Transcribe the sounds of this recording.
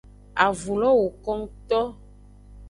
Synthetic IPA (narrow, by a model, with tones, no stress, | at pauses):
a˨vu˨lɔ˦wo˨kɔ˦ŋ˦t̪ɔ˦